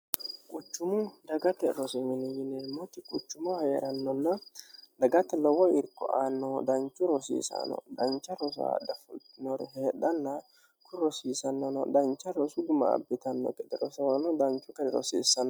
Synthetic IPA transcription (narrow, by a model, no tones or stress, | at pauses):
kʼʊt͡ʃːʊmʊd̪ɐɡɐt̪ɛɾɔsʊmɪnɪjɪnɛmɔt̪ɪkʼʊt͡ʃːʊmɐhɐjɛ̰ɾɐnːɔnːɐlɐɡɐt̪ːɛlɔwɔɪɾkːɔʔaːnːɔd̪ɐnt͡ʃːʊɾɔsḭːsɐ̰nɔ̰d̪ɐnt͡ʃːɐɾɔs̬ʊa̰d̪ɐfʊlt̪ɪnɔɾɛɦɛːᶑɐnːɐ | kʰʊɾɔsiːsɐnːɔnɔd̪ɐnt͡ʃːɐɾɔsʊd̪ʊmɐ̰ːbːɪt̪ɐnːɔ̰kʼɛd̪ɛɾɔsɐwnɔd̪ɐnt͡ʃːʊkɐɾɛɾɔ̰sḭːsːɐnːɔ